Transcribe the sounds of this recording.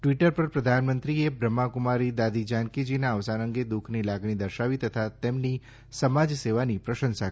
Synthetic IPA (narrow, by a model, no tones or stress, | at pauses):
ʈʋiʈəɾpəɾpɾəd̪ʱanmənt̪ɾiebɾəmːakʊmaɾid̪ad̪id͡ʒankid͡ʒinaəʋsanəŋɡed̪ukʰnilaɡɳid̪əɾʃaʋit̪ət̪ʰat̪emni | səmad͡ʒseʋanipɾəʃə̃nsa